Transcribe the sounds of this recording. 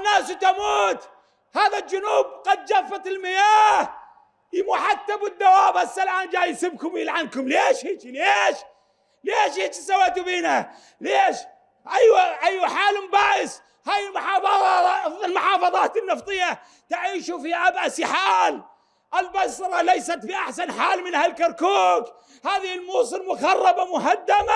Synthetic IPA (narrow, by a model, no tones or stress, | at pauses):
nːaːst̪amuːt̪ | haːðald͡ʒʊnuːb̚qɑd̪̚d͡ʒafːat̪ɪlmɪjaːh | jɪmuħat̪ːabɪd̪ːawaːbasːalʔaːnd͡ʒaːjsɪbkʊmwjɪlʕankʊmleːʃhiːt͡ʃileːʃ | leːʃhiːt͡ʃisawːaːt̪ubiːna | leːʃ | ʔajwaʔajwaħaːlmbaːʔɪs | haːjɪlmʊħɑːfɑˤɑɪlmʊħɑːfɑðˤɑːt̪ɪnːɑft̪ˤɨjːa | t̪aʕiːʃufiʔabʕasħaːl | ʔɪlbɑsɾˤɑlajsat̪biʔaħsanħaːlmɪnhalkɑɾˤkuːk | haːðiɪlmuːsˤɨlmʊɣɑrˤːɑbamʊɦad̪ːama